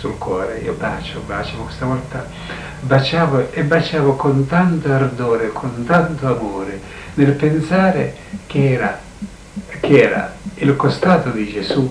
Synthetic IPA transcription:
sulkwɔːɾeḭːoba̰ːt͡ʃobat͡ʃavokest̪avɔlt̪a | bat͡ʃaːvoebːat͡ʃaːvokont̪ant̪oard̪oːɾekʰont̪ant̪oamoːɾɪ | nɪlpensaːɾɪ | kɛːɾa | kɪɛːɾa̰ilkost̪aːt̪od̪id͡ʒesu

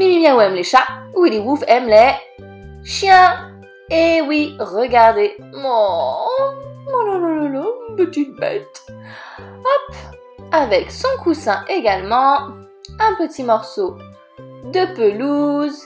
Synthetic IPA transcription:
minimjɛ̃uɛmleʃawiliwufɛmlɛ | ʃjɛ̃ | ewiʁəɡaʁd̪emɔ | malalalalanpət̪it̪̚bɛ̰t̪ | ɔp | avɛksɔ̃kusɛ̃ʔeɡalmɑ̃ | ɛ̃pət̪imɔʁso | d̪əpəluz

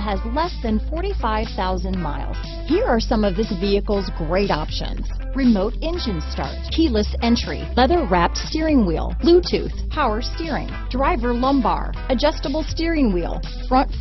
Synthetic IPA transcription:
ɨzlɛsðɨ̃nfɔɹɾifaɪv̥θaʊzɨ̃nma̰ɪlˠz̥ | hiɹə˞sʌ̃mʌvðɪsviɨkl̩ˠzɡɹeɪɾɑ̰pʃɨ̰̃nz̥ | ɹɨmoʊɾɛ̃nd͡ʒɨ̃nstɑ̰ɹtkʰilˠəsɛ̃nt͡ʃɹ̥ḭlɛðə˞ɹæp̚tstɪɹɪ̃ŋwḭl̥ˠlutʰʉ̰θhʰaʊə˞stɪɹɪ̰̃ŋ | dɹaɪvə˞lʌ̃mbɑ̰ɹ | ɨd͡ʒʌstəbl̩ˠstɪɹɪ̃ŋwḭlˠ | fɹʌ̃nt

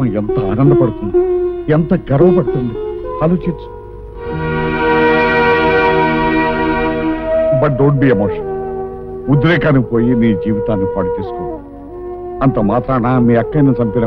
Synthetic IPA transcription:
ɐent̪ɐa̰ːnɐnd̪ɐpɐɽut̪und̪ient̪ɐɡɐɾɐʋɐpɐɽut̪und̪iɐluːt͡ʃit͡ʃːu̥ | bɐʈ̚ɖoːɳʈbiːemoːʂɐn | ud̪ɾeːkaːnɐipo̞ːjiniːd͡ʒiːʋit̪aːnːipɐɽit͡ʃ̪iːsu̥kɔːʋaːɽu | ɐnt̪ɐmaːt̪ɾaːnaːmiːɐkːɐjnɐt͡ʃɐmbip̪inɐ

